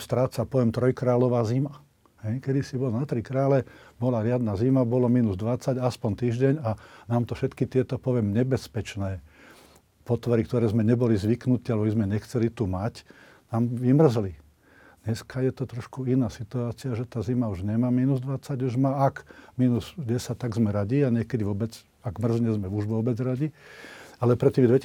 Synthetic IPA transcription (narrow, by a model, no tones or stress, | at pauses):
st̪ɾaːt͡sapɔʋɪɛmt̪ɾɔjkɾaːlɔʋaːzima | hɛjkɛd̪isibɔlnat̪ɾikɾaːlɛbɔlaɾɪad̪nazimabɔlɔmiːnuzd̪ʋat͡saɟaspɔnt̪iːʒɟɛɲanaːmt̪ɔfʃɛt̪kit̪ɪɛt̪ɔpɔʋɪɛmɲɛbɛspɛt͡ʃnɛː | pɔt̪ʋɔɾik̚t̪ɔɾɛːzmɛɲɛbɔlizʋiknut̪iːalɛbɔbizmɛɲɛxt͡sɛlit̪umac | naːmʋimr̩zli | d̪ɲɛskajɛt̪ɔt̪ɾɔʃkuinaːsit̪uaːt͡siaʒɛt̪aːzimauʒɲɛmamiːnuzd̪ʋat͡saɟuʒmaakmiːnuzɟɛsac̚t̪aɡzmɛɾaɟiaɲɪɛkɛd̪iʋɔbɛd͡z | aɡmr̩zɲɛzmɛuʒʋɔbɛd͡zɾaɟi | alɛpɾɛt̪iːmd̪ʋɛ